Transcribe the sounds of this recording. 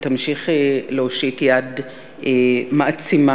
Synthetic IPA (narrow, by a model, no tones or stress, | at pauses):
t̪amʃiχeleoʃitjad | emaʔat͡sima